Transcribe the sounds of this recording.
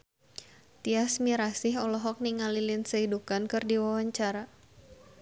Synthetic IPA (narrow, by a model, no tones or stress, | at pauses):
t̪iasmiɾasɪɦɔlɔɦɔk̚niŋalilɪnsəidukankɨrdiwawaɲt͡ʃaɾa